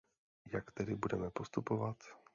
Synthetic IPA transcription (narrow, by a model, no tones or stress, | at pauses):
jakt̪ɛdɪbudɛmɛpost̪upovat̪